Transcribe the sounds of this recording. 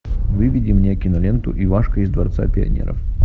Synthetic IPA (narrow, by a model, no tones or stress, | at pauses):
vɨvʲɪdʲɪmnʲekʲɪnɐlʲent̪ʊ̰ʔivaʂkəɪzd̪vɐrt̪sa̰pʲɪɐ̰nʲḛɾə̰f